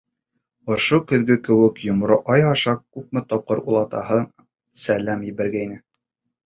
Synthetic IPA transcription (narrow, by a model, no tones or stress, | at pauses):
ŏʃokɵ̆ðɡɵkɘ̆wɘkjŏmɾoʔɑjɑʃɑkʉp̚mɘt̪ɒp̚qɤɾulˠɑt̪ɑ̰ɦɤ | sælæmjɘ̆βæɾɡæinɘ